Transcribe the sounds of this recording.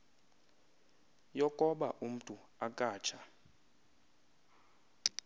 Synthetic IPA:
jɔkʼɔɓa̰ʔum̩tʼu | akʼaːt͡ʃʰa

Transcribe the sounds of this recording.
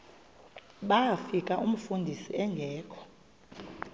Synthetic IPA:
ɓafikʼaʔum̩fundʱisiɛŋɡʱɛːkʰɔ̥

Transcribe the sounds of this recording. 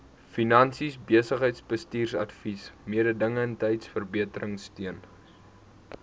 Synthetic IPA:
finɐnsisbiəsəχɦəjtsbəstiːrsɐ̰tfismiədədəŋəɛntɛjtsfərbiətəɾəŋstyən

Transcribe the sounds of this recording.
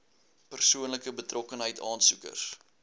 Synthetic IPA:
pərsuənləkəbətrɔkənɦəjtʰɑːnsukə̰s

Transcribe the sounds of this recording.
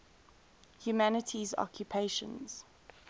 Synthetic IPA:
hjumanətʰizɔ̰kʰjupʰeʃə̰̃nz̥

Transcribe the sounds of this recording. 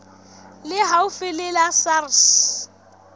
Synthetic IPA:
lɪɦaʊfɪlɪlasars

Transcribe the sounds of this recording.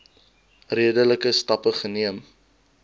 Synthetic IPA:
riədələkəstɐpəχəniəm

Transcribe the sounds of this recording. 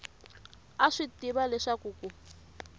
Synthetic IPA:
aʂitiβalɛʂakuːku

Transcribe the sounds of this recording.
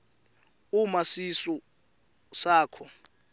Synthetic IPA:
umasisɔ | saːkʰɔ

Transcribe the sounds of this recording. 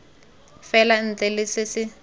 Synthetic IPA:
fɛlan̩t͡ɬɛlɪsɪsɪ

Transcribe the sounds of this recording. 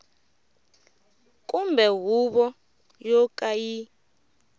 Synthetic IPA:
kʼumbʱɛɦuɓɔ | jɔkʼaji

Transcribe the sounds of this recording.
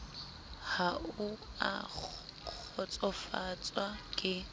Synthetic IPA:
haua̰ | ɔt͡sʼɔfat͡sʼwakʼɪ

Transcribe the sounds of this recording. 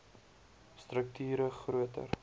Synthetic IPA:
strək̚tʰyːɾəχruətə̰r

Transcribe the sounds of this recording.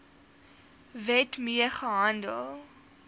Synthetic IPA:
vɛtmiəχəɦandə̰lˠ

